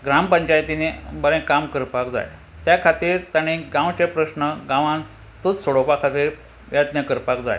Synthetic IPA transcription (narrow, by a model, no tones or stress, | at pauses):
ɡɾampəɲt͡ɕajt̪inebəlẽkamkəɾpakd͡za̰j | t̪jakʰat̪iːɾt̪aɽ̃iɡãwt͡ɕepɾəsnəɡãʋãn | t̪ət͡ssoɽopakʰat̪iːɾ | ʋjat̪nəkəɾpakd͡za̰j